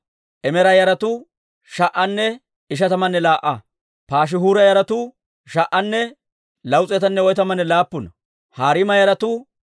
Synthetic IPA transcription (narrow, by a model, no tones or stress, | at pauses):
ʔɛmɛɾɐjɐɾɐt̪ʊ | ʃɐʔɐnːɛ | ɪʃɐt̪ɐmɐnːɛlaːʔɐ | paːʃ̬ɪɦuːɾɐjɐɾɐt̪ʊ | ʃɐʔːɐnːɛ | lɐwt͡sʼɛt̪ɐnːɛɔjt̪ɐmɐnːɛlaːpːʊnɐ | haːɾɪmɐjɐɾɐt̪ʊ